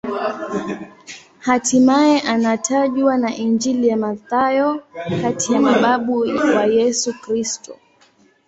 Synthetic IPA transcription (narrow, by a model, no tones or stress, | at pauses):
hatʰimaɛʔanatʰaʄwanaʔind͡ʒilijamaθajɔkatijamaɓaɓuwajɛsukɾistɔ